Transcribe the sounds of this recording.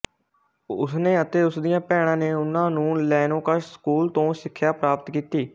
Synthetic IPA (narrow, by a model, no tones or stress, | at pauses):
ʊsneːət̪eːʊsd̪ɪjãːpɛːɽ̃ãːneːʊnãːnũːlɛːnõːkaskuːlt̪õːsɪkʰːjaːpɾaːpət̪kiːt̪iː